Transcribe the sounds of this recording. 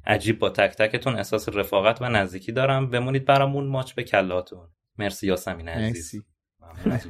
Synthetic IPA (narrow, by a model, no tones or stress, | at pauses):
ʔæ̰d͡ʒiːbbɒːt̪ʰæct̪ʰæce̞t̪ʰunḛhsɒːsere̞fɒːɣæt̪ʰvænæzd̪iːcʰiːd̪ɒːɾæmbe̞muniːd̪̚bæɾɒːmunmɒːt͡ʃʰbe̞cʰælːɒt̪ʰun | me̞ɾsijɒːsæmiːnæziːz | mæu